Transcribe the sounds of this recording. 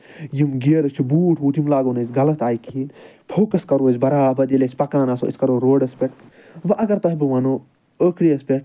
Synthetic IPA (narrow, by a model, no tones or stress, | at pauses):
jimɡeːɾɐt͡ʃʰubuːʈʰɦuːt̪imlaːɡonɐsʲɡɐlɐt̪aːjikʰipʰoːkɐskɐɾoːzʲbɐɾaːpɐd̪ilesʲpɐkaːnaːso̰ʔiskɐɾoːɾoːɖɐspʲeʈ̚ʰ | ʋɐʔɐɡɐɾt̪ɐɦibɨʋaːnoː | əːkʰɾiɐspʲeʈ̚